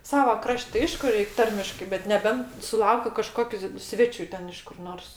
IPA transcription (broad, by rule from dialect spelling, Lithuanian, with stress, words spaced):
ˈsɑːʋɐ ˈkrɐʃʲtʲ tʲɪ ˈɐɪʃkʊ ˈrʲɛɪkʲ ˈtɐrʲmʲɪʃkɐɪ bʲɛt nʲɛˈbʲɛnt sʊˈlˠɐʊkʲʊ kɐˈʃkoːkʲʊ ˈsʲʋʲæːt͡ʃʲʊ ˈtʲɛn ɪʃ kʊr ˈnoːrs